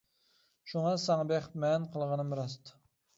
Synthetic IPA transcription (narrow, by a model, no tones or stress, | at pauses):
ʃuŋɑsɑŋbeχmɛnqʰəlˠʁɑnɨmɪɾɑst̪ʰ